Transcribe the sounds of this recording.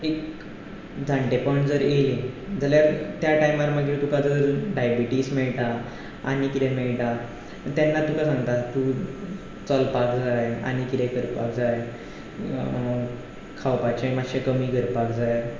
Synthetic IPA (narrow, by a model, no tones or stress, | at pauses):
ek | d͡zʱaɳʈepɔiɳʈd͡zəɾelid͡zʱaljaɾt̪jaʈajmaɾməɡit̪ukad͡zəɾɖajbiʈiːsmeɭʈa | aɽ̃ikit̪ɛ̃meɭʈa | t̪janːat̪ukasãŋɡt̪at̪u | t͡səlpakd͡zaja̰ɽ̃ikit̪ẽkəɾpa̰kd͡zaj | kʰawpat͡ɕẽmaɕẽkəmiːɡəɾpakd͡zajɾ